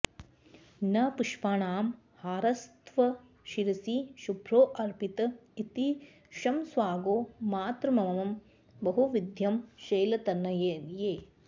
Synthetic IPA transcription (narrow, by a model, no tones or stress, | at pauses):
nɐpuʂpaːɳaːm | haːɾɐst̪ʰʋɐ | ʃiɾɐsiʃubʱɾoːʔɐɾpit̪ɐit̪i | ʃɐmsʋaːɡoːmaːt̪ɾɐmɐmɐmɐm | bɐɦuʋid̪ʱjɐmʃɐjlɐt̪ɐnːɐjeːnjeː